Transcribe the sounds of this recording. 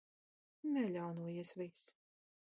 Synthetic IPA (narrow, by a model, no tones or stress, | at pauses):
nɛlʲawnuɔjisvis